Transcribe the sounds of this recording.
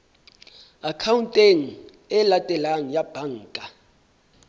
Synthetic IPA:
akʰawuntʼeŋ̩ | ɛlatʼɛlaŋ̩jab̥ʱaŋ̩ːkʼa

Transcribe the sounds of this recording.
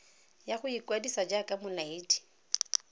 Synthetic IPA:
jaχʊikwadisad͡ʒakʼamʊlaɪːdi̥

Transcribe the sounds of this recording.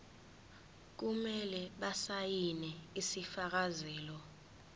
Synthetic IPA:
k̬umɛlɛɓasajinɛisifak̬azɛːlɔ

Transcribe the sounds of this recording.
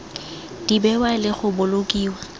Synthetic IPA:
d̥ibɛwalɪχʊbʊlokʼiːwa

